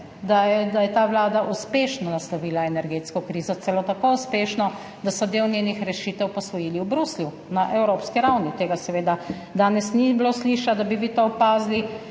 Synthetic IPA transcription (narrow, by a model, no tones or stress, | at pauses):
d̪aɛd̪ajɛt̪aːʋlaːd̪aʔuspeːʃnɔnaslɔʋiːlaɛnɛɾɡeːt̪skɔkɾiːzɔt̪ɛlot̪akouspeːʃnɔ | d̪asɔd̪eːwnʲeːnixɾɛʃiːt̪ɛwpɔsʋɔjiːliwbɾuslju | naʔɛwɾoːpskiɾawnit̪eːɡasɛʋeːd̪a | d̪aːnɛsnibloːsliːʃad̪abiʋit̪opaːzli